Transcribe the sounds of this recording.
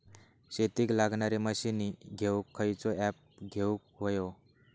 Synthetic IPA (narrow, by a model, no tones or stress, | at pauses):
ɕet̪iːklaɡɳaɾeməɕiniɡʱewkʰːəjt͡sɔɛp̚ɡʱeukʋojo